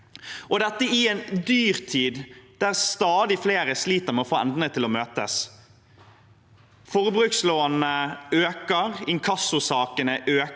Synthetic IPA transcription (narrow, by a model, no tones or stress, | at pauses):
ʔɔd̪ɛt̪ːəɪɛnd̪yːʁt̪ʰiːd̪d̪̥æʁst̪ɑːd̪ɪfleːɾəsliːt̪əʁmɛɔfoːɛ̰nd̪nət̪ʰɪlɔmøːt̪əs | fɔʁbʁʉksloːnəøːkəʁɪŋkʰɑsʊsɑːkənəʔøː